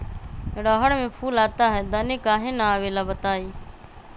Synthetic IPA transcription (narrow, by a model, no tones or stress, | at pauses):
ɽɔːɦəɽmẽpʰuːlaːt̪aɦɛːd̪əneːkaːɦenaaːʋeːlaːbət̪aːiː